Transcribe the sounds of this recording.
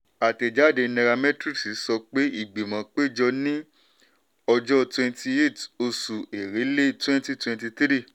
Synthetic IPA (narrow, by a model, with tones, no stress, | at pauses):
a˨te˨d͡ʒa˨˦de˨˧nɛ˧ɾa˧mɛ̃˦tɾi˦si˨˦sɔ˧k͡pe˦i˦˨ɡ͡bi˨mã˨˦k͡pe˦˨d͡ʒɔ˧nĩ˦ | ɔ˧d͡ʒɔ˦twɛ̃˧nti˧e˦˨to˧su˨e˨ɾe˨˦le˦˨twɛ̃˦nti˦twɛ̃˧nti˧t̪ɾi˦˨